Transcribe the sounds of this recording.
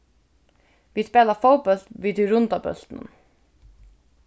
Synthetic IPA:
ʋiːspeːləfoʊbœlt̪ʋiːd̪iɾʊnd̪ɑbœ̰lt̪nə̰n

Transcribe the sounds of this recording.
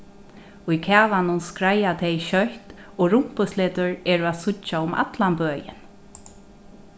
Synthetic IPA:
ʊjkʰaːlanʊnskɾajat̪ʰejʃœht̪ | ɔːɾʊm̥pʊsleːt̪ʊɹɛːɹʊaðsʊt͡ʃːaʊma̰t̪lanpøːjɪ̰n

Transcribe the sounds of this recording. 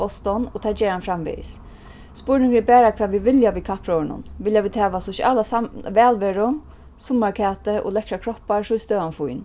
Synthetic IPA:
ɔst̪ɔnɔt̪ʰaːd͡ʒɛːɾhanfɾamʋḭs | spʊɹnɪŋɡəɛbɛːɾakʰvɛːʋiʋɪljaʋikʰahpʰɾɔːɹnʊ̰nʋɪljaʋiːd̪hɛːʋasɔʃa̰lasaʋɛːlʋɛːɹʊ | sʊmːaɹkʰɛːt̪əʔʊ̰lɛkɾakʰɾɔhpaɹsʊjst̪œːanfujn

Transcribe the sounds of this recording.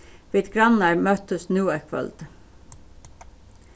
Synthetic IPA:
ʋiːd̪ɡɹɑnɑɹmœt̪əsnʉːɛkʰʋœ̰ld̪̥

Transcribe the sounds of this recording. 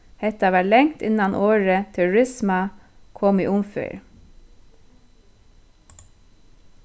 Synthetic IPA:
hɛt̪ɑʋæːlɛŋt̪ɪ̰nɑnʔoːɹət̪ʰæʊɹɪsmɑkʰɔmiːʔʊmfœ̰ːɹ

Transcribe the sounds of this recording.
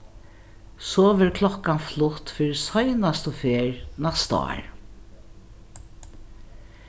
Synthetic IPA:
sɔʋɛɾkʰlɔkːanflʊht̪fiːɾisɔjnast̪ʊfeːɹnast̪ɑ̰ːɹ

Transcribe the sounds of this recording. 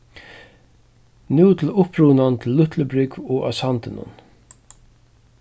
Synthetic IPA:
nuwt̪ʰɪlʊpɾuːnant̪ʰɪlːʊht̪ʰləbɾɪkvɔa̰sant̪ɪnʊ̰n

